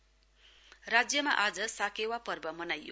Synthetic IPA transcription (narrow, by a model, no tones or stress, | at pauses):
rad͡zjʌmaʔad͡zʌsakewapʌrbʌmʌnajo̰